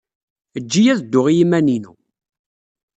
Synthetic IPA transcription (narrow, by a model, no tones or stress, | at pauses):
əd͡ʒːijæðd̪ːʊʁijimæninṵ